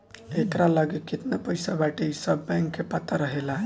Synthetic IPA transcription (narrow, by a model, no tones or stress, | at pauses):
et̪ɾaləɡekit̪napəjsabaʈeisəbːɛ̃ŋkːepət̪əɾəɦelaɦ